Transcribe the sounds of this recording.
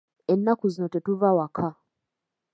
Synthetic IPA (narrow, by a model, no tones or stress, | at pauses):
enːakuzinotetuvawakʰa